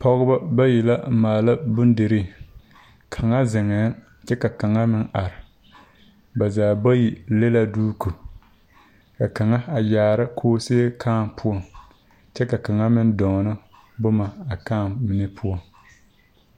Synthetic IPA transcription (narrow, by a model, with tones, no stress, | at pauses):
pɔ˦ɣʊ˦ba˦ba˦ji˨la˦maː˨la˦bʊ˦n˦de˨ɾi˦ | kʰa˨ŋa˦zɪ˨ŋɛː˨˦ | t͡ʃɛ˦ka˨ka˨ŋa˦mɪ˦nʔa˨ɾɪ˨ | ba˨zaː˨bo˦ji˨le˦la˦duː˦ku˨ | ka˨ka˨ŋa˦a˨jaː˨ɾa˦kʰoː˦seː˦kʰaː˦˨mpʰʊ˦ɔ˦ŋ | t͡ʃɛ˦ka˨ka˨ŋa˦mɨ˦n˦dɔ˨ŋ˨nɨ˦ | bʊ˦ma˨a˨kaː˦˨nmɪ˨nɨ˦pʰʊ˦ɔ˨ŋ